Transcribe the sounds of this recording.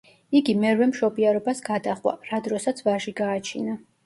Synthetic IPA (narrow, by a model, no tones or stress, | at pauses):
iɡimɛɾwɛmʃɔbiaɾɔbasɡad̪aχwa̰ɾad̪ɾɔsat̪sʰvaʒiɡaːt͡ʃʰina